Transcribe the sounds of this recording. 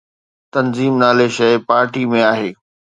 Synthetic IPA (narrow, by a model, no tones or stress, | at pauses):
t̪ɐnziːmnaːleʃɐɪpaːɾʈimẽaːɦeː